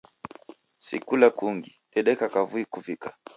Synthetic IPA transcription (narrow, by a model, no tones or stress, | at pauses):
sḭkulakuŋɡiɗɛɗɛkakavuikuvikḁ